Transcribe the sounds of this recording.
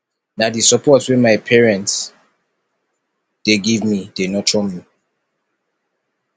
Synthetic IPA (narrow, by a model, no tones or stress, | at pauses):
nadisɔpʰɔtswɛ̃nmaɪpʰɛɹɛ̃nts | d̥eɡivmid̥enɔtʰɹɔmi